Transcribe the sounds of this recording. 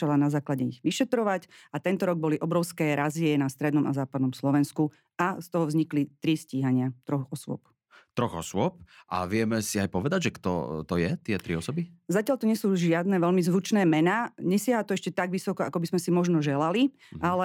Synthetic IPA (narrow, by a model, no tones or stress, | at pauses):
alanazaːklaɟɛiɣʋiʃɛt̪ɾɔʋacat̪ɛnt̪ɔɾɔɡ̚bɔliʔɔbɾɔʊskɛːɾaziɛnast̪ɾɛd̪nɔma̰zaːpad̪nɔmslɔʋɛnsku | ast̪ɔɦɔvzɲiklit̪ɾisciɦaɲɪat̪ɾɔɣɔsʊɔ̰p | t̪ɾɔɣɔsʊɔp̚ʔa̰ʋɪɛmɛsiajpɔʋɛd̪aɟʒɛkt̪ɔ̰t̪ɔjɛt̪ɪɛt̪ɾiɔsɔbizacɪaʎt̪ɔɲɪɛsuːʒɪad̪nɛʋɛlmizʋut͡ʃnɛːmɛnaːɲɛsɪaɦat̪ɔɛʃcɛt̪aɡʋisɔkɔakɔbizmɛsimɔʒnɔʒɛlali | ʔalɛ